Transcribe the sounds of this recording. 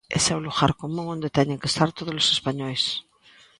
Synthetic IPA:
ḛsɛwluɣaɾkomũŋõnd̪et̪ɛɲeŋke̥st̪aɾt̪oðolosespaɲɔjs

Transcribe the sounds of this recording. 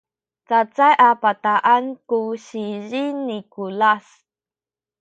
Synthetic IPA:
t͡sat͡sajʔapat̪aʔankuɕiʑinikulas

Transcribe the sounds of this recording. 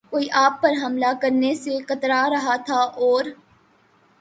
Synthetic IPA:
koːiʔaːpːɐɾɦɐmlakɐɾnesekɐt̪ɾaɾɐɦat̪ʰaʔɔːɾ

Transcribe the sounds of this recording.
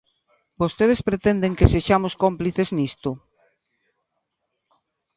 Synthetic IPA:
bost̪eð̞espɾet̪end̪eŋkeseʃamʊskompliθeznist̪ʊ

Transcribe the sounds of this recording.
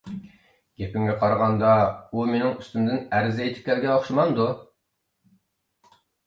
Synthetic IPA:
ɡ̥ʲepɪŋɡʲɛqʰɑɾɑʁɑnd̪ɑumenɪŋyst̪ymd̪ɪnæɾzejt̪ʰɪ̥p̚kʲʰæɾɡʲɛoχʃumɑnd̪u

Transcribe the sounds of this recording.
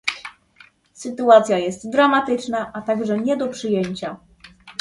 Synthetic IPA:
sɘt̪uat̪sʲjajɛst̪d̪ɾamat̪ɘt͡ʂnaʔat̪aɡʐɛɲɛd̪ɔpʂɘjeɲt͡ɕa

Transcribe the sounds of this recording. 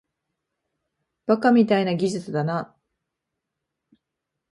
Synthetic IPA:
b̥akamʲit̪ainaɡʲiʑɨt͡sɨd̪ana

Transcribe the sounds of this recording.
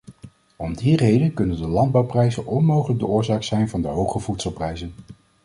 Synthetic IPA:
ɔmdirejdənkɵnəndəlɑnd̚bɑwprɛjzənɔnmowχələɡ̚dəʊːɹzaːksɛjnvɑndəɦowχəvutsəlˠprɛjzən

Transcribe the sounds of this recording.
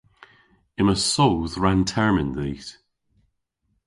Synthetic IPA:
ɪməsowðɹãntʰɛɹmɪ̃nðiːθ

